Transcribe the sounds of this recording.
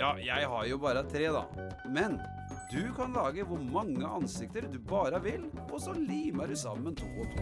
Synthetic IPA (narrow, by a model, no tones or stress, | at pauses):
jɑːjæɪɦɑɾjʊbɑːɾət̪ʰɾeːd̪ɑ̰ | mɛn | d̪ʉkʰɑnlɑːɡəʋʊɾmɑŋːəʔɑnsɪk̚t̪əɾd̪ʉbɑːɾəʋɪlːɔsɔliːməɖʉsɑ̰mːənt̪ʰʊmɔt̪